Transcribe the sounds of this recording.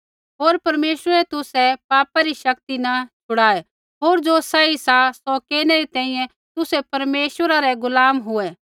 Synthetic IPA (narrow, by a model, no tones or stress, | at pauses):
ɦoːɾpɐɾmeːsəɾɛt̪ʊsɛpaːpaɾiʃɐkt̪inɐt͡ʃʰʊɽaːe | ɦoːɾd͡ʒosaːisasɔkɛːnɛɾit̪ɛ̃ːĩjɛ̃ | t̪ʊsɛpɐɾmeːʃwəɾaɾɛɡʊlaːmɦʊɛ